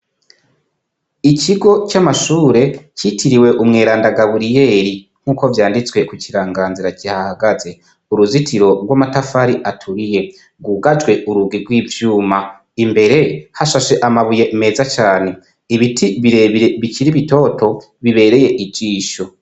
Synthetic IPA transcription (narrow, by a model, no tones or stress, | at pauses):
iciɡo̞t͡ʃamaʃuːɾe̞citʰiɾiwe̞ʔumŋe̞ːɾaːndaɡaβuɾije̞ːɾi | ŋ̥huːko̞vjaːndit͡swe̞kuciɾaːŋɡaːnziɾacihahaɡaze̞ | uɾuzitʰiɾo̞ɾɡwamatafaɾiʔatʰuɾije̞ | ɡuːɡad͡ʒwe̞ʔuɾuɡiɾɡwiːvjuːma | imbe̞ɾe̞haʃaʃe̞ʔamaβuje̞me̞ːzat͡ʃaːne̞ | iβitʰiβiɾeβiɾeβiciɾiβito̞ːtʰo̞ | βiβe̞ːɾe̞je̞ʔid͡ʒiːʃo